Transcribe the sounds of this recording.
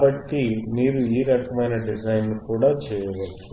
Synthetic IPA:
bɐʈːimiːɾuiːɾɐkɐmɐjnɐɖizɐjnːukuːɽaːt͡ʃɛːjɐʋɐt͡ʃːu

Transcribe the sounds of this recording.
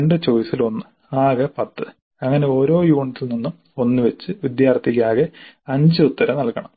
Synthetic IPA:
ɳɖet͡ɕo̞ːjisilo̞nːɨ | aːɣɐpɐt̪ːɨ | ɐŋːɐne̞o̞ːɾo̞ːjuːɳit̪ːilninːum | o̞nːɨʋet͡ɕːɨʋid̪jaːrt̪ʰːikʲːaːɣɐɐɲd͡ʑɨut̪ːɐɾɐnɐɭkːɐɳɐm

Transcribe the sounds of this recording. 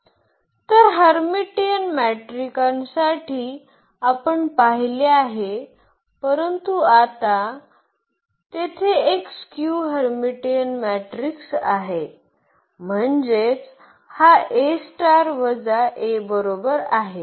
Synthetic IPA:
t̪əɾɦəɾmiʈiənmæʈɾikãnsaʈʰiː | apəɳpaɦileaɦe | pəɾənt̪uat̪a | t̪et̪ʰeekskjuɦəɾmiʈijənmæʈɾiksaɦe | m̤əɳd͡zet͡s | haʔesʈaɾʋəd͡zaʔebəɾobəɾaɦe

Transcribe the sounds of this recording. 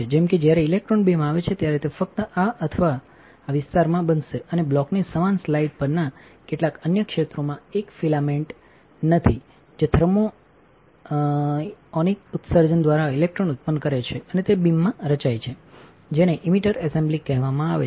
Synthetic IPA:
ed͡ʒɛmked͡ʒjaɾeilek̚ʈɾonbimaʋet͡ʃʰet̪jaɾet̪efək̚t̪əʔaʔət̪ʰəʋaː | ʋɪst̪aɾmãbənʃeəneblɔknisəmanslaiɖ̚pəɾnakeʈlakənjəkʃet̪ɾomãekfilameɳʈ | nət̪ʰi | d͡ʒet̪ʰəɾmo | ɔnik̚ut̪səɾd͡ʒənd̪ʋaɾailek̚ʈɾonut̪̚pənkəɾet͡ʃʰeənet̪ebimːãɾət͡ʃajt͡ʃʰe | d͡ʒeneʔimiʈəɾɛsẽmblikɛɦʋamãaʋe

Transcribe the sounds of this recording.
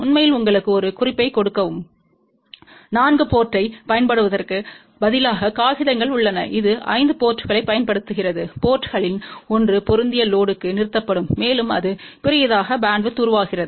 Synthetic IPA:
ʊnmɐjɪlʊŋɡɐɭɯkːɯɔɾɯkʊrɪpːɐɪkɔɽɯkːɐʋɯm | naːnɡɯpoːʈrɐɪpɐjɐnpɐɽɯʋɐðɐrkɯ | bɐðɪlaːɣɐkaːɣɪðɐŋɡɐɭʊɭːɐnɐ̰ʔɪðɯʔɐ̰ɪnd̪ɯpoːʈːɯɣɐɭɐɪpːɐjɐnpɐɽɯt̪ːɯɣɪrɐðɯpoːʈɯɣɐɭɪnɔndrɯpɔɾɯnd̪ɪjɐloːɽɯkːɯnɪɾɯt̪ːɐpːɐɽɯmːeːlɯmɐðɯpɪɾɪjɐðaːɣɐbaːɳɖʋɯt̪ːuɾʋaːɣɪrɐðɯ

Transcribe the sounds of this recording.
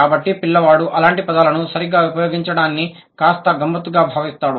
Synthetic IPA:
aːbɐʈːipilːɐʋaːɽuʔɐlaːɳʈipɐd̪alɐnusɐɾiɡaːʋupɐjoːɡiɲt͡ʃɐɽaːnːi | kaːst̪ɐɡɐmbɐt̪ːuɡaːbʱaːʋist̪aːɽu

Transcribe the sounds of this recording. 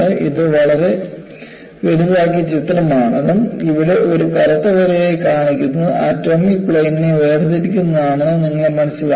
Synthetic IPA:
ɨʔiðɨʋɐɭɐɾe̞ | ʋeɽuðaːk̬ːijɐt͡ɕit̪ːɾɐmaːɳɐðumiʋiɽe̞ʔo̞ɾukɐɾɐt̪ːɐʋɐɾejekaːɳikʲːunːuʔa̰ːtːoːmikpɭejnineʋeːrɐðiɾikʲːunːɐðaːɳɨniŋːɐɭmɐnɐɕːil

